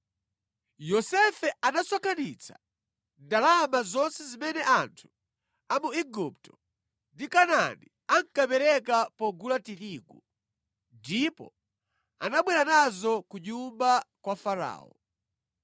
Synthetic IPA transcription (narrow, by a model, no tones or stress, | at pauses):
jɔsɛfɛʔanaswakʰanit͡sʰḁ̰ | ndalamazɔnsɛzimɛnɛʔantʰu̥ | amuiɡup̚tɔ̥ | ndikanani | aŋ̩kapɛɾɛkapɔɡulatiɾiːɡṵ | ndipɔ̰ | a̰naɓwɛɾanazɔkuɲumbakwafaɾa̰ːɔ̰